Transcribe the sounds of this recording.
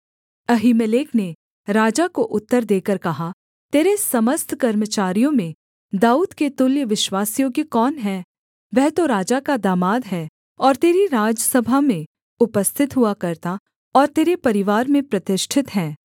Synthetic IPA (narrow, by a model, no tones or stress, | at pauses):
ɐɦiːməleːkne | ɾaːd͡ʒakoʔʊt̪ːəɾd̪eːkəɾkɐɦa | t̪eːɾesɐməst̪ʰkɐɾmət͡ʃaːɾijõmẽ | d̪aːuːd̪ket̪ʊljəʋɪʃwaːsijõkikɔːnɦɛː | ʋɛɦt̪oɾaːd͡ʒakad̪aːmaːd̪ɦɛː | ɔːɾt̪eːɾiɾaːd͡ʒəsɐbʱamẽ | ʊpəst̪ʰɪt̪ɦuakɐɾt̪a | ɔːɾt̪eːɾepɐɾɪʋaːɾmẽpɾɐt̪ɪʃʈʰɪt̪ɦɛ̃ː